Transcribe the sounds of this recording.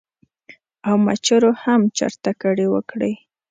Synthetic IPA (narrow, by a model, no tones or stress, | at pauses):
awmat͡ʃaɾohamt͡ʃa̰ɾt̪akaɽewəkɽej